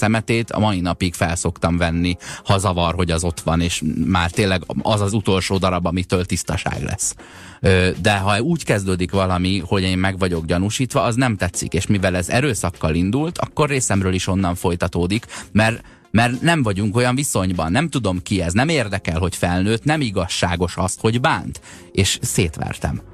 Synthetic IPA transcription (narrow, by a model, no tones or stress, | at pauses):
sɛmɛt̪eːt̪ʰɒ̰mɒjinɒpiɡfɛlso̞kt̪ɒmvɛnːihɒzɒvɒrɦo̞ɟɛzo̞t̪ʋɒneːʃmaːrt̪eːnlɛɡɒzɒzut̪o̞lʃoːd̪ɒɾɒbɒmit̪øːlt̪ist̪ɒʃa̰ːɡlʔɛ̰sː | ød̪ɛɦɒuːckɛzd̪øːd̪ikʋɒlɒmiho̞ɟeːmːɛɡʋɒɟo̞ɡɟɒnuʃiːt̪ʋɒɒznɛmt̪ɛt̪sːḭkeːʃmivɛlɛzɛ̰ɾøːsɒkːɒlind̪ult̪ʰɒ̰kːo̞rːeːsɛmrøːliʃo̞nːɒɱfo̞jt̪ɒt̪oːd̪ikmɛr | mɛrnɛɱvɒɟuŋko̞jɒɱviso̞ɲbɒnːɛmt̪ud̪o̞mkiɛznɛmeːrd̪ɛkɛlɦo̞cfɛlnøːt̪nɛmiɡɒʃːaːɡo̞ʃɒst̪ho̞ɟbaːnt̪ | eːʃseːt̪ʋɛ̰rt̪ɛ̰m